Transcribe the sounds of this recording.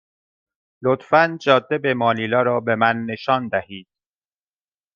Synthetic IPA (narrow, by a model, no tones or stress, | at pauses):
lot̪fænd͡ʒɒːd̪ːebe̞mɒːliːlɒːɾɒːbe̞mænːe̞ʃɒːnd̪æhiːd̪̥̚